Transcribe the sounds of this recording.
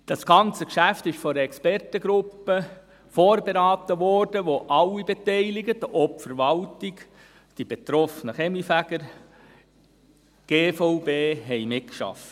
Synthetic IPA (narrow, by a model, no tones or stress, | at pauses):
d̥ɑsɡ̥ɑnt͡səkʃæft̪ɪʃfɔɾəɛkspɛrtəɡɾʊpːə | foːɾbeɾɑːt̪əʋɔrd̥əʋoʔɑlːibet̪ɛɪlɪɡət̪ɔpfəɾʋɑltiɡ | d̥ib̥et̪ɾɔfnəχɛmlifæɡ̥əɾ | ɡ̥eːfoʊbeːɦɛɪmɪtkʃɑ̰f